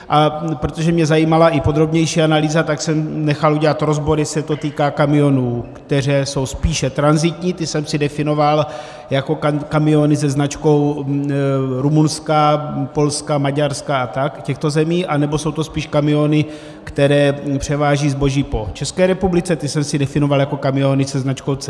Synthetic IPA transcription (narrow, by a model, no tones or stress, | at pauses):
ʔapɾo̞t̪o̞ʒɛmɲɛzajiːmalaʔɪpo̞d̪ɾo̞bɲɛjʃiːanaliːzat̪aksɛmnɛxaluɟɛlat̪ɾo̞zbo̞ɾɪsɛt̪o̞t̪iːkaːkamɪo̞nuːkt̪ɛr̝ɛːso̞wspiːʃɛt̪ɾanzɪt̪ɲiːt̪ɪsɛmsɪdɛfɪno̞val | jako̞kakamɪo̞nɪsɛznat͡ʃko̞w | ɾumunskapo̞lskamaɟaɾskaat̪akcɛxt̪o̞zɛmiːʔanɛbo̞so̞wt̪o̞spiːʃkamɪo̞nɪ | kt̪ɛɾɛːpr̝̥ɛvaːʒiːzbo̞ʒiːpo̞t͡ʃɛskɛːɾɛpublɪt͡sɛt̪ɪsɛmsɪdɛfɪno̞valjako̞kamɪonɪsɛznat͡ʃko̞wt͡s